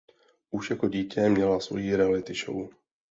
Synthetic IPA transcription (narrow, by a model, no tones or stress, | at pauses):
ʔuʃjako̞ɟiːcʰɛmɲɛlasvo̞̰jiːɾɛalɪt̪ɪʃo̰w